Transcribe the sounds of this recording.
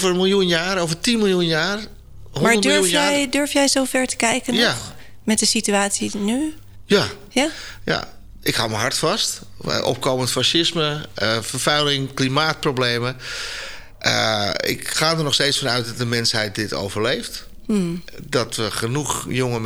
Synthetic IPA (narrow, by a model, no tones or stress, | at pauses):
vərəmilˠjunjaːɾovətinmɪlˠjunjaːr | ɦomaɹdədøɹufjɛjdøɹfjɛjzofɛɹtə̥kɛjkəna | mɛtdəsityaːtsiny | ja | jaja̰ | ʔɪkhawməɦaɹtfɔst | ʔɔ̰p̚koːməntfaʃɪsməfəɹfɛjlɪŋklimaːt̚prowbleːmə | ʔə̰ɪ̰kxaːdərnɔxsteːtsfɔnœɥt̚dɔt̚dəmɛnshɛjt̚dɪto̰ːwvərlejft | dɔtʋəxənuxjoŋəm